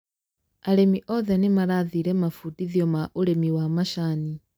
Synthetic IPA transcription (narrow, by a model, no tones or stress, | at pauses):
alemiʔɔðɛnimaɾaðiɾɛmafutiðjɔmaʔulemiwamaʃaːni